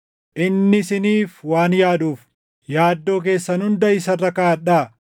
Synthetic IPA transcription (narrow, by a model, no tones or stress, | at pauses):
ʔɪnːɪsɪniːfwaːnjaːd̪uːf | jaːd̪ːo̞ːk̬e̞ːsːɐnhʊnd̪ɐɪsɐrːɐkaːᶑaː